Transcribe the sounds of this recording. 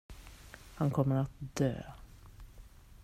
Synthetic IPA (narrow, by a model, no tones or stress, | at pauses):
hankʰɔmːəɾat̪̚d̪ø̰ː